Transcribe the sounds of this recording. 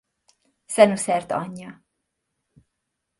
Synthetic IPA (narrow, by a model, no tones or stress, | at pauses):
sɛnusɛrt̪ɒ̰ɲːɒ